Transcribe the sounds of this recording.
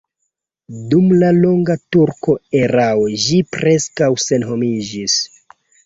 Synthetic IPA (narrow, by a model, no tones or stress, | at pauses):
dumlalo̞ŋɡatuɾko̞eɾawoʒipɾe̞skawse̞nɦo̞mid͡ʒis